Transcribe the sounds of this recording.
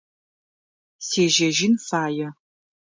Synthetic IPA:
seːʒɐʒɪnfaːjɛ

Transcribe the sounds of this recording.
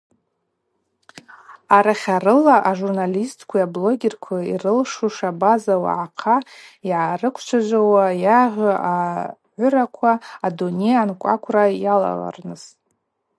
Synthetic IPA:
aɾaχʲarɨlaʔaʐurnalistʰʼkʷʰiablo̞ɡʲerkʷʰaḭrɨlʂuʂabazawa̰ʕaqʰaiʕarɨkʷʰt͡ʃʷʰad͡ʒʷawajaʁʲɨaʕʷʊɾakʷʰaːdunejankʷʼa̰kʷʰrajala̰la̰rnɨz̥

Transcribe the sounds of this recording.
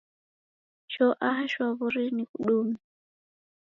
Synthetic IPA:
ʃɔʔaɦaʃwaβuɾinikuɗumi

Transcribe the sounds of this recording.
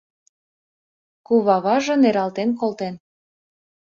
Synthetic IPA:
kuβɑβɑʒɤ̆neɾɑlt̪enkolt̪en

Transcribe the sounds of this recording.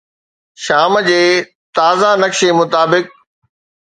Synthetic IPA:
ʃaːmd͡ʑeː | t̪aːzanɐkʃemʊt̪aːbɪk̚

